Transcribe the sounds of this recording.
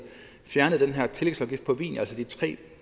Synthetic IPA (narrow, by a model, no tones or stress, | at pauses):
fjæɐnəð̩ˠd̥enɦæɐ̰t͡sʰe̝leɡ̥sɒ̽mɡifpʰɒ̽ʋḭːnælsəd̥it͡sʰʁɛ̰ː